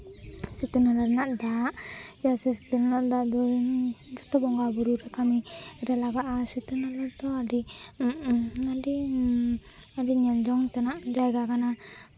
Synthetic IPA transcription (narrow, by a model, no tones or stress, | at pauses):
sit̪unalaɾnaʔd̪aʔd͡ʒasɛsi̥t̪unanaʔd̪aʔd̪ɔ | d͡ʒɔt̪ɔbɔŋɡabuɾuɾɛkamiɾɛlaɡaʔasit̪unalaɾt̪ɔaɖi | adi | aɖiɲɛld͡ʒɔŋt̪ɛnaʔd͡ʒajɡakana